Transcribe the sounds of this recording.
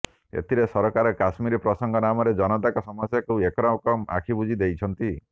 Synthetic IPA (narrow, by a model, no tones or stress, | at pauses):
ḛt̪ʰiɾesɔɾɔkaɾɔkasmiɾipɾɔsɔŋɡʱɔnamɔɾed͡ʒɔnɔt̪akɔsɔmɔsjakuekɾɔkɔma̰kʰibud͡ʒʱid̪ejt͡ʃʰɔnt̪i